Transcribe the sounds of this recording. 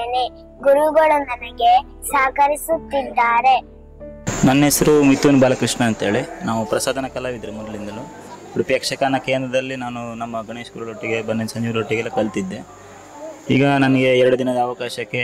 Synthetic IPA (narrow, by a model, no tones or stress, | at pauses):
ni | ɡuɾuɡɐɭunɐnɐɡe̞ | saːkɐɾisut̪ːid̪ːaːɾe̞ | nɐnːesɐɾumit̪ːɐnubaːlɐkɾiʂɳɐːnt̪ɐɦeːɭinaːʋupɾɐsaːd̪ʱɐnɐkɐlaːʋid̪ɐɾemɔd̪ɐɭind̪ɐlu | ɽupjɐkʂɐkaːnɐkeːnd̪ɾɐd̪ɐlːinaːnunɐmːɐɡɐɳeːʂkuːɾɐloʈːiɡe̞bɐnːesɐɲd͡ʒuɾoʈːiɡɐlːɐkɐlt̪id̪ːe | ḭːɡɐnɐnɐɡe̞ɛɾɐɽud̪inɐd̪ɐːʋɐkaːʃɐkːe̞